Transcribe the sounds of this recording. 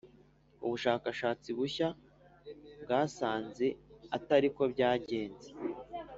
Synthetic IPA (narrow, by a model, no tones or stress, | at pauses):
uβuʃaːkaʃaːt͡siβuça | bɡaːsaːnze̞ataɾiko̞bɟaːɟe̞ːnze